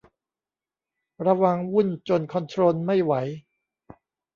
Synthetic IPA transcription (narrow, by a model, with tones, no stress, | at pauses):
ɾa˧wa˧ŋwu˥˩nt͡ɕo˧nkʰɔ˧nt̪ʰɾoː˧nma˥˩jwa˩˦j